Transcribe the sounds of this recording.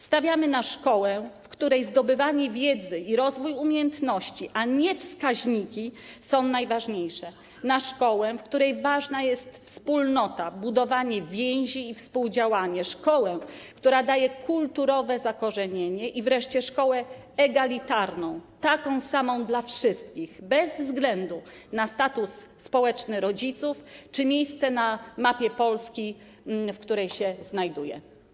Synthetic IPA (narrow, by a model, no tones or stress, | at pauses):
st̪avʲjamɘnaʂkɔwɛfkt̪uɾɛjzd̪ɔbɘvaɲɛvʲjɛd̪zɘiɾɔzvujumʲjejɛnt̪nɔɕt͡ɕiʔaɲɛfskaʑɲikʲisɔ̃w̃najvaʐɲejʂɛ | naʂkɔwɛfkt̪uɾɛjvaʐnajɛst̪fspulnɔt̪abud̪ɔvaɲɛvʲjɛ̃w̃ʑiːfspuwd͡ʑawaɲɛʂkɔwɛkt̪uɾad̪ajɛkʰult̪uɾɔvɛzakɔʐɛɲeɲɛʔivɾɛʂt͡ɕɛʂkɔwɛ | ɛɡalʲit̪aɾnɔ̃w̃t̪akɔ̃w̃samɔ̃w̃d̪lafʂɘst̪̚kʲiɣbɛzvzɡlɛnd̪u | nast̪at̪usːpɔwɛt͡ʂnɘɾɔd͡ʑit̪suft͡ʂɘmʲjejst̪sɛnamapʲjɛpɔlskʲi | fkt̪uɾɛjɕɛznajd̪ujɛ̰